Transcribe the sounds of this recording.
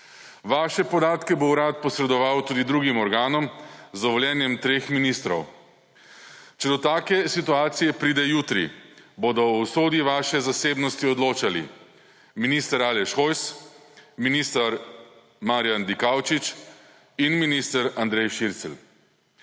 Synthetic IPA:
ʋaːʃɛpɔd̪aːt̪kɛbowɾaːt̪̚pɔsɾɛd̪ɔʋawt̪uːd̪id̪ɾuɡimɔɾɡaːnɔmzɔʋɔljɛːnjɛmt̪ɾeːxminist̪ɾɔ̰w | t͡ʃɛd̪ɔt̪aːkɛsit̪uaːt̪sijɛpɾiːd̪ɛjuːt̪ɾḭboːd̪ɔwsoːd̪iʋaːʃɛzaseːbnɔst̪iɔd̪loːt͡ʃalḭ | minist̪əɾaːlɛʃxojs | minist̪aɾ | maɾjand̪ikawt͡ʃit͡ʃ | inminist̪əɾand̪ɾɛjʃiɾt̪sɛl

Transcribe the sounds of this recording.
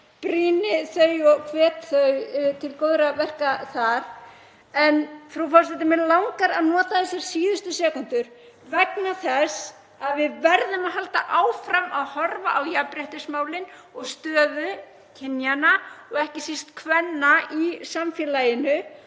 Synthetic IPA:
pɾiːnɪθœɥjɔɣkʰvɛːt̪θœɥt̪ʰɪlkoːwðɾavɛr̥kaθaɾ̥ | ɛnθɾufasɛt̪ɪmɪlawŋkaɾaðnɔːt̪aθɛsaɾ̥siːðʏst̪ʏsɛːkʏnt̪ʏɾ̥ | vɛknaθɛs | aðvɪðvɛɾðʏmaðɦalt̪aʔaːwfɾamaðhɔɾvaʔawjapɾɛht̪ɪsmaːwlɪn | ɔɣst̪œːðʏ | cʰɪnjanaɔɣɛhcɪsist̪kʰvɛnːaisamfjɛlajɪnʏ

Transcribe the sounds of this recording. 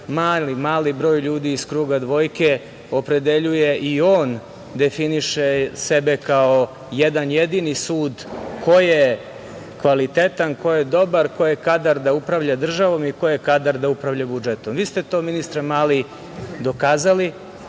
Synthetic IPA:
maːlimaːlibɾo̞ːjʎuːd̪iːskɾuːɡad̪ʋo̞jke̞ | opɾe̞d̪e̞ʎujeʔio̞ːn | d̪efiniʃesebe̞kao | jed̪anjed̪inisuːd̪ko̞je | kʋalit̪et̪anko̞jed̪o̞baɾkojekad̪aɾd̪aupɾavʎad̪r̩ʒaʋo̞miko̞jekad̪aɾd̪aupɾavʎabud͡ʒet̪o̞mʋiːst̪e̞t̪o̞ːminist̪ɾamaːli | d̪o̞kaːzali

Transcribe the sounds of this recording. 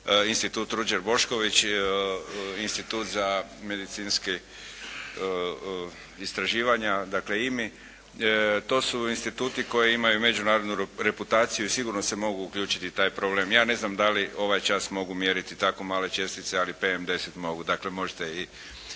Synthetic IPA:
inst̪it̪uːt̪ɾud͡ʒeɾbo̞ʃko̞ʋit͡ʃ | inst̪it̪uːt̪zame̞d̪it̪sinski | ist̪ɾaʒiːʋaɲad̪akle̞imi | t̪o̞ːsuinst̪it̪uːt̪iko̞jiimajume̞d͡ʒunaːɾod̪nuɾe̞put̪aːt̪sijuisiɡuɾno̞se̞mo̞ɡuːkʎʲuːt͡ʃi̥t̪it̪aːjpɾobleːmjaːne̞znamd̪alio̞ʋajt͡ʃasmo̞ɡumjeɾit̪it̪ako̞maːle̞t͡ʃe̞st̪it̪sealipe̞emd̪e̞set̪mo̞ɡud̪akle̞mo̞ʒet̪ei

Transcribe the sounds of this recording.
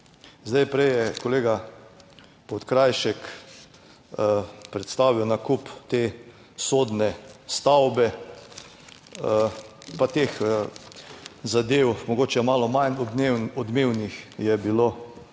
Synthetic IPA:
zd̪ajpɾɛjjɛkɔleːɡa | pɔt̪kɾajʃɛk | pɾɛt̪st̪aːʋiwnakupt̪e | soːd̪nɛst̪awbɛ | pat̪ex | zad̪ewmɔɡoːt͡ʃɛmaːlɔmanɔd̪ewɔd̪mewnixjɛbilo

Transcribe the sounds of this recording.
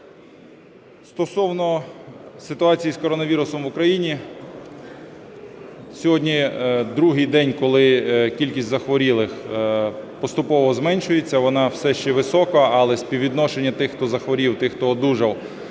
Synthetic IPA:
st̪ɔsɔwnɔ | sɪt̪ʊɑt͡sʲijiskɔɾɔnɐʋʲiɾʊsɔmʋʊkɾɐjinʲi | sʲɔɦɔdʲnʲid̪ɾuɦɪjd̪ɛnʲkɔlˠɪkʲilʲkʲisʲtʲzɐxʋɔɾʲilˠɪx | pɔst̪ʊpɔʋɔzmɛnʲʃʊjet͡sʲːɐʋɔnɑwsɛʃt͡ʃɛʋɪsɔkɐɐlˠɛsʲpʲiʋʲid̪nɔʃenʲːɐt̪ɪxt̪ɔzɐxʋɔɾʲiwt̪ɪxt̪ɔːd̪uʒɐw

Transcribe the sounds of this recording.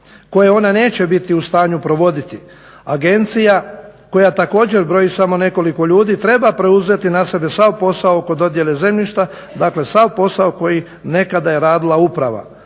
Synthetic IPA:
ko̞jeo̞nane̞ːt͡ɕe̞bit̪iust̪aːɲupɾo̞ʋo̞d̪it̪i | aɡe̞nt̪sijako̞jat̪ako̞ːd͡ʑe̞ɾbɾo̞jisamo̞ne̞ko̞liko̞ʎuːd̪iːt̪ɾe̞bapɾe̞uzʋe̞t̪inase̞be̞sawpo̞saooko̞d̪o̞d̪je̞le̞ze̞mʎiʃt̪a | d̪akle̞sawpo̞saoko̞ji | ne̞kad̪aje̞ɾaːd̪ilaupɾaʋa̰

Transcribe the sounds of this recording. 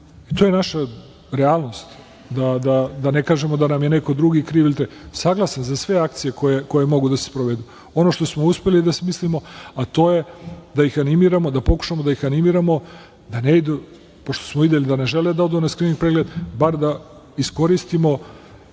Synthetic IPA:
it̪oːje̞naʃa | ɾealˠno̞st̪ | d̪ad̪ad̪ane̞kaːʒe̞mo̞d̪anamjeneko̞d̪ɾuɡikɾiːʋilʲt̪esaɡlˠasanzasʋe̞akt̪sije̞kojeko̞je̞mo̞ɡud̪asespɾoʋed̪u | o̞no̞ʃt̪o̞smo̞uspe̞lid̪asmislimo̞at̪o̞ːje̞d̪aixanimiːɾamo̞d̪apo̞ku̥ʃamod̪aixanimiːɾamo̞ | d̪aneid̪u | poʃt̪osmovid̪elid̪ane̞ʒe̞led̪aod̪unaskɾiniŋɡ̚pɾeɡled̪baɾd̪a | isko̞ɾist̪imo̞

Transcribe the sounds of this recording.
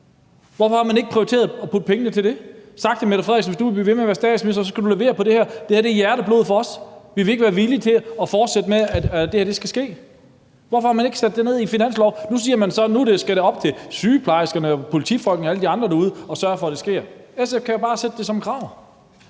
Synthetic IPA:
ʋɒfɒhɑ̈mæne̝ɡ̥ə̥pʰʁiot͡sʰe̝ːɐðˠɒpʰud̥̚pʰeŋənət͡sʰe̝ld̥e̝sɑ̈ɡ̥̚d̥ʰemeðˠfʁeðˠɡsn̩ʋesd̥uʋeb̥liːʋe̝meʋæɐsd̥ɛ̰ːd̥smesɐs̬ɒ̽skæduleʋe̝̰ːɐpʰɒ̽d̥e̝hæɐ̰d̥ehæɐd̥e̝jæɐɾəb̥lo̝ːðˠfɒ̽ɒ̽sʋiʋe̝e̝ɡ̥əʋæːɐʋilit͡sʰe̝ɒ̽fɒːd̥sed̥əmeææd̥e̝hæɐd̥e̝sɡ̥æsɡ̥e̝̰ː | ʋɒfɒ̽hɑ̈mæne̝ɡ̥sæd̥ːene̝ð̞̰ˠifinæn̰slɒʊnusiːɐmænsɒ̽nuɾ̥e̝sɡ̥æɾe̝ɒ̽b̥̚t͡sʰe̝syːpʰlɑ̈ɪsɡ̥ɐnəɒpʰo̝lit͡sʰḭfɒ̽l̰ɡ̥n̩əæləd̥iɑ̈nd̥ʁɐd̥ɑ̈uð̞ˠɒ̽sɶːɐfɒ̽d̥e̝sɡ̥e̝ɐesefkʰæjæb̥ɑ̈ːsed̥ːe̝sɒ̽mkʰʁɑ̈ːʊ̰

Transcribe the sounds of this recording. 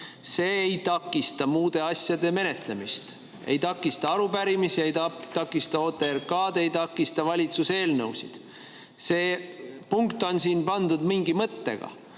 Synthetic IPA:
se̞ːejt̪ɑkːˑist̪ɑmuːd̪̥e̞ɑsʲjɑd̪e̞me̞ne̞t̪le̞mist̪ | e̞̰jt̪ɑkːˑist̪ɑɑɾubæɾimisiejt̪ɑt̪ɑkːˑist̪ɑot̪ːˑerkɑːd̪̥e̞jt̪ɑkːist̪ɑvɑlʲit̪suse̞ːlnɤwsḭd̪̥ | se̞ːpuŋkt̪ːˑo̞nsiːnpɑnd̪ud̪miŋɡimɤt̪ːe̞̰ɡ̥ɑ̰

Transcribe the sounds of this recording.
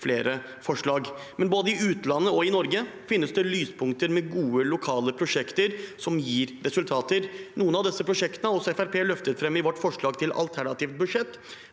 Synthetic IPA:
fleːɾə | fɔʂɭɑːɡ | mɛnboːd̪əɪʉːt̪lɑnːəɔɪnɔɾɡə | fɪnːəsd̪ɛlyːspʰʊŋt̪əɾmɛɡuːəlʊkʰɑːləpʰɾʊʂɛkt̪əɾsɔmjiːɾɾɛsʉlt̪ʰɑːt̪əɾnuːənɑʋd̪ɛsːəpʰɾʊʂɛkt̪ənəɾɔsɔɛfæɾpʰeːlœft̪ət̪fɾɛmːɪʋɔʈːfɔʂɭɑːɡt̪ʰɪlɑ̰lt̪ʰæɳɑt̪iːʋt̪̚bʉʂɛt̪ː

